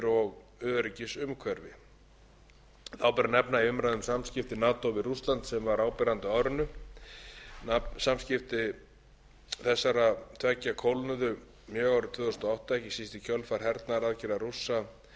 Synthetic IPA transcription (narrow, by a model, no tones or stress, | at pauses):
ɾɔɣ | œːðɾɪcɪsʏmkʰvɛɾvɪ̰ | θawpɛɾanɛpnaiʏmɾajðʏmsamscɪft̪ɪnaːt̪owvɪrust̪lant̪sɛmvaɾaːwpɛɾant̪ʏaːwɾʏnʏ | asamscɪft̪ɪ | θɛsːaɾat̪ʰvɛcːakʰowlnʏðʏ | mjœːɣawɾʏt̪ʰv̥ʏːðʏst̪ɔawht̪aɛhcːɪsist̪ɪcʰœlfaɾ̥ɦɛɾt̪naɾaðcɪɾarusːa